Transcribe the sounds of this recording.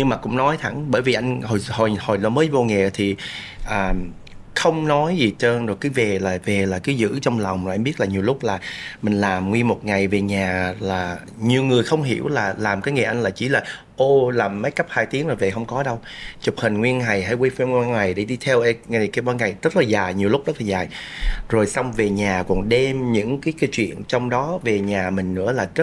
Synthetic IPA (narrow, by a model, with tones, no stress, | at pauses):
ɲɨ˧ŋmaː˨˩kʊ̰˧˥ŋ͡mnɔ˨˦jt̪ʰa˧˩˦ŋɓəː˧˩jvi˨˩ʔa˧jŋ̟ho˨˩jho˨˩jho˨˩jlɔ˨˦məː˨˦jvo˧ŋɛ̰˨t̪ʰi˨˩ʔəː˨˩ | xə˧wŋ͡mnɔ˨˦jzi˨˩t͡ɕəː˧nzo˨˩kaː˨˦jve˨˩laː˨˩ve˨˩laː˨˩kaː˨˦jzɨ̰˧˥t͡ɕɔ˧wŋ͡mlɔ˨˩wŋ͡mmaː˨ʔmɓi˦˥ət̚laː˨˩ɲi˨˩əwlʊ˦˥k͡p̚laː˨˩mï˨˩ŋ̟laː˨˩mŋwi˧ənmo˨˩t̚ŋa˨˩jve˨˩ɲaː˨˩laː˨˩ | ɲi˨˩əwŋɨ˨˩əjxə˧wŋ͡mɦḭ˧˩əwlaː˨˩laː˨˩mkaː˨˦jŋa˨˩jʔa˧jŋ̟laː˨˩t͡ɕi˧˩laː˨˩ | ʔo˧laː˨˩mːə˨˦jkə˦˥p̚haː˧jt̪i˨˦ŋzo˨˩jve˨˩hə˧wŋ͡mkɔ˨˦ɗə˧w | t͡ɕʊ˨˩p̚hï˨˩ŋ̟ŋwi˧ənŋa˨˩jɦa̰ː˧˥˦jwe˧jfi˧ŋ˧a˧nŋa˨˩jɗe˧˩ɗi˧t̪ʰɛ˧wʔŋa˨˩jki˧wɓaː˧ŋa˨˩jz̥ə˦˥t̚laː˨˩zaː˨˩jɲi˨˩əwlʊ˦˥k͡p̚zə˦˥t̚laː˨˩zaː˨˩jzo˨˩jsa˧wŋ͡mve˨˩ɲaː˨˩kɔ˨˩nɗe˧mɲɨ̰˧˥ŋkaː˨˦jka˨˦jt͡ɕwḭ˧˨ənt͡ɕɔ˧wŋ͡mɗɔ˨˦ve˨˩ɲaː˨˩mï˨˩ŋ̟nɨ̰˧˥əlaː˨˩zə˦˥